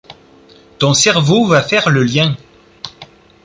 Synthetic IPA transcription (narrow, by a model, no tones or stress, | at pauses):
t̪ɔ̃sɛʁvovafɛʁləljɛ̃